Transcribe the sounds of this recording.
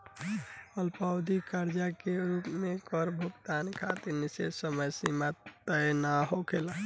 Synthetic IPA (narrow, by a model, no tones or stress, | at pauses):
əlpawd̪ikaɾd͡ʒakeɾupmekɔɾbʱuɡt̪ankʰat̪iɾnisesəməjsimat̪ənaɦokʰela